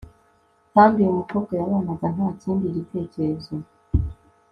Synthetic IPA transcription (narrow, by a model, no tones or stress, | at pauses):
haːmbiumukokojaβaːnaɡan̥aːt͡siːndiɾite̞ːceɾezo